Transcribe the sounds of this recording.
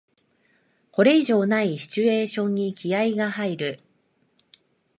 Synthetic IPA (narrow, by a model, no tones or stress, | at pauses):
ko̞ɾe̞iʑo̞ːnaiɕi̥t͡ɕɨe̞ːɕõ̞ɲ̟ːikʲʰiaiɡaɦaiɾɯ̟